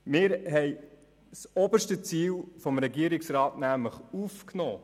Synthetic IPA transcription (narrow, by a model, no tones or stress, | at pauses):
mɪːɾɦɛj | sɔbəʃtət͡siːlfɔmɾɛɡiəɾɪksɾɑːtnæmləχufknɔ̰ː